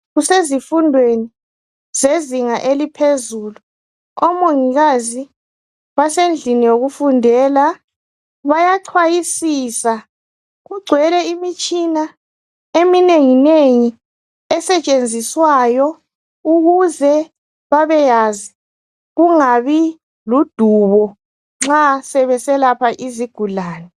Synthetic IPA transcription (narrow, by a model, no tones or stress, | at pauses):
ɣusezifundʱweni | zeziŋaʔelipʰezuːlu | ɔmoŋiɣazi | βasend͡ɮʱinijoɣufundʱɛːla | βajaǀʰwajisisa | ɣuɡ͡ǀʱwɛlɛimit͡ʃʼina | emineŋineŋi | ɛsɛt͡ʃʼend͡zʱiswajɔ | uɣuzɛ | βaβɛjazi | ɣuŋaβi | lud̥ʱuβɔ | ŋ͡ǁasɛβɛsɛlapʰaʔiziɡ̥ʱulaːnɛ